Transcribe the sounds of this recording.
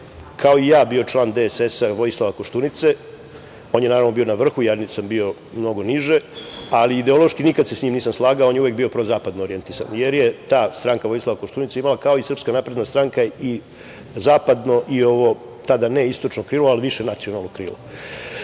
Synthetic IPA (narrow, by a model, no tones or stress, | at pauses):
kʰao̞ijaːbio̞t͡ʃlˠaːnd̪esesaʋo̞jislˠaʋakoʃt̪unit̪se̞ | oːnjenaːɾaʋno̞bio̞naʋr̩xujaːnsambio̞ | mno̞ɡo̞niʒe̞aliːd̪e̞o̞lˠoʃkinikad̪sesɲiːmniːsamslˠaːɡaoonjeuʋek̚biopɾozaːpad̪nooɾie̞nt̪isa̰nje̞ɾjet̪aːst̪ɾaːŋkaʋo̞jslˠaʋakoʃt̪uːnit̪seimalakaoisr̩pskanapɾed̪nast̪ɾaːŋkai | zaːpad̪no̞ʔio̞ʋo̞ | t̪ad̪aneist̪o̞t͡ʂnokɾiːlˠoaliʋiʃenat̪sio̞nalˠnokɾḭːlo